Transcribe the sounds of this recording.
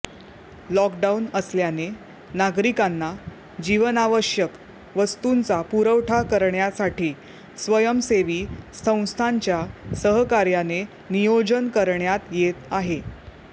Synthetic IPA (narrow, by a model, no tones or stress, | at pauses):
lɔkɖaunəsljane | naɡɾikanːa | d͡ʑiʋənaʋəɕjək | ʋəst̪unt͡sapuɾəʋʈʰakəɾɳjasaʈiː | sʋəjəmseʋiːsə̃w̃st̪ʰaɲt͡ɕjasəɦəkaɾjane | nijod͡ʑənkəɾɳjat̪jet̪aɦe